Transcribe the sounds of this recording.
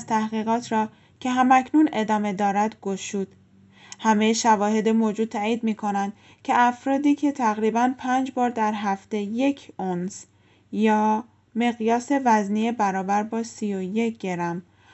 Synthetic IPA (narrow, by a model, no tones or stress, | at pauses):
zt̪ʰæhɣiːɣɒːt̪ʰɾɒː | cʰe̞ɦæmæcʰnune̞d̪ɒːme̞d̪ɒːɾæd̪ɡoʃuːd̪̥ | hæmejeʃævɒːɦe̞d̪emoːd͡ʒuːd̪̚t̪ʰæːiːd̪miːkʰo̞nænd̪̥ | cʰe̞æfɾɒːd̪iːcʰe̞t̪ʰæɣɾiːbænpʰæːnd͡ʒbɒːɾd̪æɾɦæft̪e̞je̞cʰons | jɒː | me̞ɣjɒːse̞væznijebæɾɒːbæɾbɒːsijoje̞cɟ̥e̞ɾæm